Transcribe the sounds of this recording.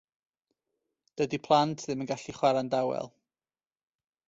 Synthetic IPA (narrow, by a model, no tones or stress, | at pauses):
d̥ədipʰlˠantʰðɪmənɡaɬiχwaɾandawɛ̰lˠ